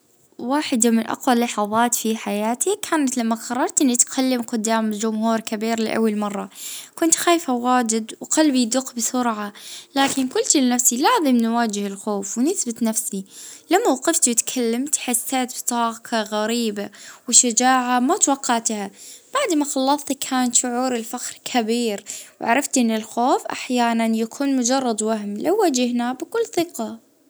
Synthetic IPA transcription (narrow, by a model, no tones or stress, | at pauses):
waːħɪd̪amɪnʔɑ̰qwalːɑħɑðˤɑːt̪fiħajaːt̪ʰikʰaːnat̪lamːaqɑrˤːɑɾˤt̪ʔɪnːit̪kʰalːɪmqʊd̪ːaːmd͡ʒʊmhuːɾkabiːɾlɪ̰ʔa̰wːalmɑrˤːɑkʊnt̪xaːjfawaːd͡ʒɪd̪wqalbid̪ʊqːbɪsʊɾʕalaːkɪnkʊlt̪lɪnafsilaːzɪmnwaːd͡ʒɪhɪlxoːfwnɪsbɪt̪nafsilamːawaqɪft̪wɪt̪kʰalːamt̪ħasːaːt̪bt̪ˤɑːkʰaɣaɾiːbawɪʃad͡ʒaːʕamat̪wɑqːɑʕt̪hab̥aʕd̪maxɑlːɑsˤt̪kʰaːnt̪ʃʊʕuːɾɪlfaxɾkʰabiːɾwʕa̰ɾˤɑft̪ʔɪnːɪlxoːfʔa̰ħjaːnanjakʰuːnmʊd͡ʒɑrˤːɑd̪waɦmlawːad͡ʒɪhnabɪkʊlːθɪqɑ